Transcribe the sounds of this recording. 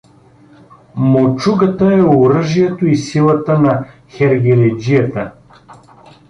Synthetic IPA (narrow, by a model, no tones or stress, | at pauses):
mot͡ʃuɡət̪əɛoɾəʒijɛt̪oisilˠət̪ənɐ | xɛɾɡʲɛɾɛd͡ʒijət̪ə